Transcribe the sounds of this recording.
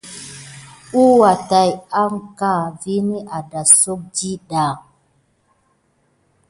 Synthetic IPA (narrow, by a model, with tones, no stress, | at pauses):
u˦wa˨ta˨ja˦ŋka˦˨vi˦ni˦ʔa˨da˨so˦k̚d͡ʒi˦ɗa˨